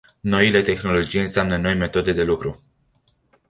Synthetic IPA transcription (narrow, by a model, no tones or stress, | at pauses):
no̞ile̞t̪e̞xno̞lo̞d͡ʒijɨnseamnəno̞jme̞t̪o̞d̪e̞d̪e̞lukɾu